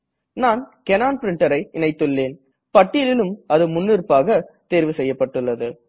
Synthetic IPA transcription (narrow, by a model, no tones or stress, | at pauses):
naːnkɛnaːnpɪɾɪɳʈɐɾɐɪɪnɐɪt̪ːɯɭːeːn | pɐʈːɪlɪlɯmɐðɯmʊnːɪɾpaːɣɐt̪eːɾʋɯsɛjːɐpːɐʈːɯɭːɐðɯ